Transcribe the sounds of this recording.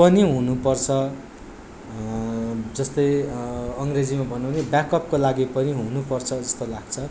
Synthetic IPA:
pʌniɦunupʌrt͡sʰʌ | d͡zʌst̪ʌjʌŋred͡zimabʱʌnawnebjakʌpkolaɡipʌniɦunupʌrt͡sʰʌd͡zʌst̪olaɡt͡sʰʌ

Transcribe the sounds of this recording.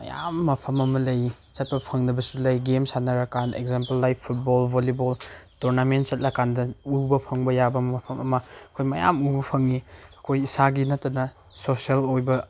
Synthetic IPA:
mɐ̰ja̰mːɐpʰɐmɐmɐlɐj | t͡ʃɐt̚pɐpʰɐŋnɐbɐsulɐjɡemsanɐɾɐkanḛkzampelːajpʰːut̚bolbʱoleboltoɾnament̚sɐt̚lɐkandɐubɐpʰɐŋbɐjabɐmɐpʰɐmɐmɐɐkʰojmɐja̰mubɐpʰɐŋiɐkʰojisaɡinɐtːɐnɐsosielojbɐ

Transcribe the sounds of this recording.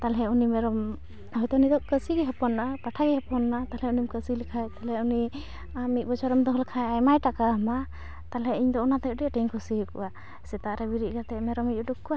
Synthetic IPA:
t̪alɦɛunimɛɾɔm | hɔjt̪ɔunid̪ɔʔkəsiɡɛɦɔpɔnːaʔapaʈʰaɡɛɦapɔnːat̪alɛunimkəsilikʰajt̪alɛuni | amit̪̚bɔt͡ʃaɾɔmd̪ɔɦɔlkʰajajmajʈakaɦɔma | t̪alɛiɲd̪ɔɔnat̪ɛɖɛʈɛɲkʰusiɦkṵʔa | sɛt̪aʔɾɛbiɾiʔ̚ɡat̪ɛmɛɾɔmiɔɖukːua

